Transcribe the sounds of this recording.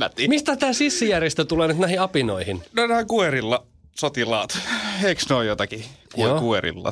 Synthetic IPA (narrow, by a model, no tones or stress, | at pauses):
t̪ːimist̪æt̪æːsisːijærjest̪æt̪uleːnyt̪næhiɑpinoihinnonæːkueɾilːɑ | sot̪ilɑːt̪eiksnoijot̪ɑkikueokueɾḭlːɑ̰